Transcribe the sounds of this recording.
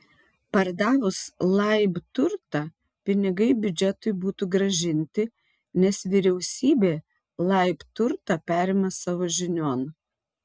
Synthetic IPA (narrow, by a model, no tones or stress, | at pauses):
pɐɾd̪ɑːʋʊslˠɐɪbt̪ʊɾt̪ɑ | pʲɪnʲɪɡɐɪbʲʊd͡ʒʲɛt̪ʊɪbuːt̪uɡɾɐʒʲɪnʲt̪ʲɪ | nʲɛsʋʲiːɾʲɛʊsʲiːbʲeː | lˠɐɪpt̪ʊɾt̪ɑpʲæːɾʲeːmɐsɑːʋoːʒʲɪnʲoːn